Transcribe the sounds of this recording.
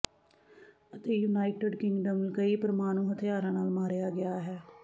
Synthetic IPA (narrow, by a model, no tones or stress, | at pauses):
ət̪eːjuːnaːɪʈeɖkɪ̃ŋɡɖəmkəiːpəɾmaːnũːɦət̪ʰɪjaːɾãːnaːlmaːɾejaːɡɪjaːɦɛː